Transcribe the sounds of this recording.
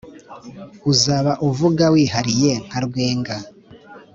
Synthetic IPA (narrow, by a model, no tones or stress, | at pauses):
uzaːβaʔuvuɡawiːhaɾije̞ŋ̥aɾɡwe̞ːŋɡa